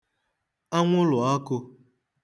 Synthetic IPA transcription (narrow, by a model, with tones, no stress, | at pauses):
a˦ŋʷʊ˦lʊ˨ɔ˦kʊ˧